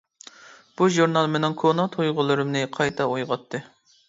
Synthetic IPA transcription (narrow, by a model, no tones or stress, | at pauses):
b̥uʒuɾnɑlˠmenɪŋkʰonɑt̪ʰojʁʊlˠɨɾɨmnɨqʰɑjt̪ʰɑojʁɑt̪ʰːɨ